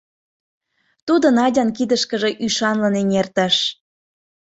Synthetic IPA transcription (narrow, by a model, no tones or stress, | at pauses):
t̪ud̪ənɑdʲɑnkid̪əʃkəʒe̽ʔyʃɑnlənenert̪ə̆ʃ